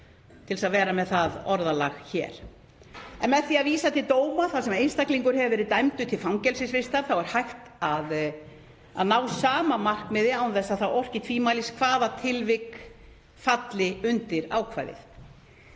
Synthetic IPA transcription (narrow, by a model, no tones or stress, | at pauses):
t̪ʰɪlsaðvɛːɾamɛðθaðɔɾðala̰ɣçɛ̰ːɾ̥ | ɛnmɛðθiaðviːsat̪ʰɪlt̪oːwmaθawsɛmejnst̪akliŋkʏɾ̥ɦɛvɪvɛːɾɪt̪ajmt̪ʏt̪ʰɪlfamcɛlsɪsvɪst̪aɾθawɛɾ̥hajxt̪að | a̰ðnaːwsaːmamar̥kmɛðɪawnθɛsːaθawʔɔr̥cɪt̪ʰviːmaːjliskʰvaːðat̪ʰɪlvɪk | fat̪lɪʏnt̪ɪɾa̰ːwkʰva̰ːjðɪ̰θ